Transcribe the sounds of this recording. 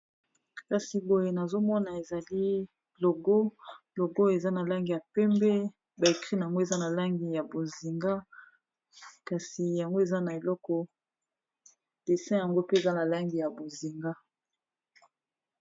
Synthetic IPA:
ka˨si˨bo˨je˨na˨zo˦mɔ˦na˨e˨za˨li˦ | lo˨ɡo˦ | lo˨ɡo˦e˨za˦na˨la˦ŋɡi˨ja˨pɛ˦mbɛ˦ | ba˨e˨kʁi˦na˨ŋɡo˦e˨za˦na˨la˦ŋɡi˨ja˨bo˨zi˨ŋɡa˦ | ka˨si˨ja˨ŋɡo˦e˨za˦na˨e˨lɔ˦kɔ˨ | d̥e˨sɛ̃˦ja˨ŋɡo˦pe˦e˨za˦na˨la˦ŋɡi˨ja˨bo˨zi˨ŋɡa˦

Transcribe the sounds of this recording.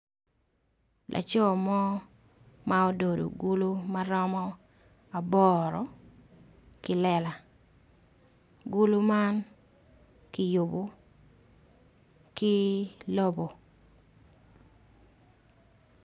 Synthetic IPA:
lʔa̰˨t͡ʃɔ˦˨mɔ˦ | mao˦do˨do̰˨ɡu˦lu˦ma˦ɾɔ˦mɔ˦ | a˨bɔ˦ɾɔ˨ | kɪ˨lɛ˨la˨ | ɡu˦lu˦ma˦n | kɪ˨jʊ˨bo˨ | kɪ˦lo˦bo˨

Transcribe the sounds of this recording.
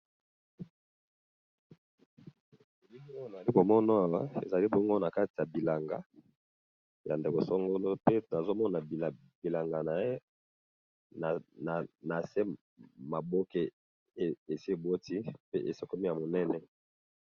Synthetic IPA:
e˨li˦ŋi˦o˦e˨li˦bo˨mɔ˦nɔ˦a˨wa˦ḛ˨za˨li˦bɔ˦ŋɡo˦na˨ka˦ti˨ja˨bi˨la˨ŋɡa˨ | ja˨nde˨ko˨so˦ŋɡo˦lo˦pe˦na˨zo˦mɔ˦na˨a˨ | bi˨la˨ŋɡa˨na˨je˦ | n˨na˨na˨se˦ | ma˨bo˦ke˦˨ | e˨si˦e˨bo˦ti˦pe˦ʔe˨se˦ko˦mi˦ja˨mo˨nɛ˦nɛ˦

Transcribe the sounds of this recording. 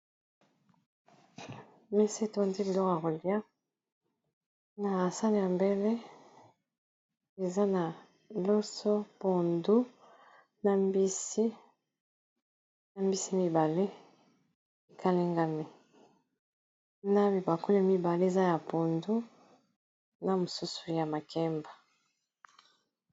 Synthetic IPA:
me˦se˦˨to˦ndi˦bi˨lɔ˦ka˨ko˨li˦a˦ | na˨sa˦le˦˨ja˨mbe˦le˦ | e˨za˦na˨ | lo˦so˦po˨ndu˦ | na˨mbi˦si˦ | na˨mbi˦si˦mi˦ba˨le˦ | e˨kʰa˦li˦ŋɡa˦mi˨ | na˦bi˨ba˨ko˦la˨mi˦ba˨le˦e˨za˦ja˨po˨ndu˦ | na˨mo˨su˦su̥˨ja˨ma˨kɛ˦mba˨

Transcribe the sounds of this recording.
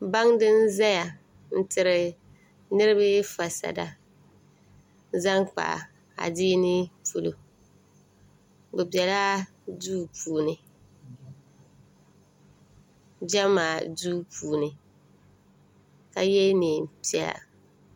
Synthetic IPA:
ba˦ŋdɪ˦n˦za˦ja˨ | n̩˦tʰɪ˨ɾɪ˨ | nɨ˦ɾɨ˦bɪ˦fa˨sa̰˨da̰˨ | za˦ŋk͡pa̰˨ | a̰˨diː˦nɪ˦pʰu˨lo̰˨ | bʊ˨bɛ˨la˦ | duː˦pʰuː˨nɨ˨ | d͡ʒa˦maː˨duː˦puː˨nɨ˨ | ka˨jɛ˦neː˨m˨pi˦ɛ˨la̰˨

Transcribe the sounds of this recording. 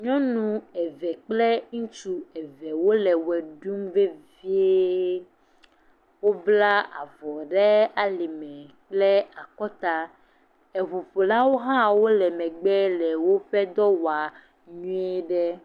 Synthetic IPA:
ɲɔ̃˦nũ˦ɛ˨vɛ˨k͡plɛ˦ŋũ˦t͡ʃu˦ɛ˨vɛ˨wo˦lɛ˨wɛ˨ɖu˦mve˦vi˦e˦ | wo˦bla˦a̰˨vɔ˨ɖɛ˦a˨li˨mɛ̃˨k͡plɛ˦a˨kɔ˦t̪a˦ | ɛ˨vo˨ɸo˨la˦wo˦ɦã˦wo˦lɛ˨mɛ̃˨ɡ͡bɛ˦lɛ˨wo˦ɸɛ˦d̪ɔ˦wa˨ | ɲũ˦ɛ˦ɖɛ˦

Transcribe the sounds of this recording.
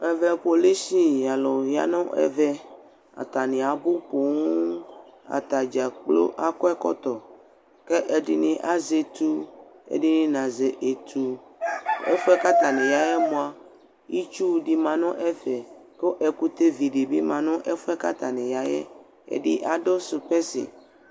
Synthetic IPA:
ɛ˨vɛ˦po˨li˦si˦ja˨lɔ˨ja̰˦nɔ̃˦ʔɛ̰˨vɛ˦ | a̰˨t̪a˨nĩ˨a˨bo˦po˨ŋũ˦a̰˨t̪a˨d͡ʒa˨k͡plo̰˦ʔa˦kɔ˦ɛ˦kɔ̰˦t̪ɔ˨ | ke˦ʔe˨ɖi˦nĩ˦ʔa˦ze˨t̪u˦ḛ˨ɖi˦nĩ˦nã˨ze˨ʔe˨t̪ʰu˨ | ḛ˦fu˦ɛ˦ka˦t̪a˨nɛ̃˨ja˨jɛ˦mõ˨a˨ | ji˦t͡ʃu˦˨ɖi˨mã˨nɔ̃˦ʔɛ˦vɛ˨ko˦ʔɛ˨ku˦t̪e˦vi˨ɖi˨bi˦mã˨nɔ̃˦ʔe˦fo˦ɛ˦ka˦t̪a˨nɛ̃˨ja˨˦jɛ̰˦ | ḛ˨ɖḭ˦ʔa˨ɖo˦so˨pɛ˦sḛ˨

